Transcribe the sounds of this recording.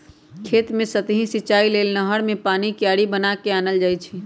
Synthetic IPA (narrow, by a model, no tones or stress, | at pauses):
kʰeːt̪mẽsət̪ɦĩsɪt͡ʃaːileːlnəɦəɽmẽpaːnikjaːɽibənakeaːnəld͡ʒaːit͡ʃʰi